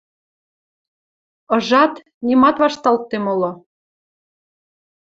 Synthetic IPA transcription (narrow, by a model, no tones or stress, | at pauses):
ɤ̆ʒɑt̪ | nimɑt̪βɑʃt̪ɑlt̪ːemolŏ